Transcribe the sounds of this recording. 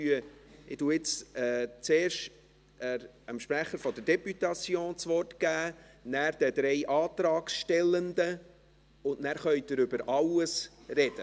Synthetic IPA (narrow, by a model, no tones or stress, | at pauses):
yəɪtuɪt͡sɛːt͡seːɾʃ | ɛəmʃpɾæχəɾfɔd̪əɾdɛpyt̪ɑt͡sjoːnt͡sʋɔrtɡ̥æːnæːɾd̪̥ɛd̥̪ɾɛjʔɑːt̪ɾɑːksʃtɛlːənd̪ə | ʊndnæːɾχœʏd̥̪əɾʏbəɾʔɑwəsrɛd̥ə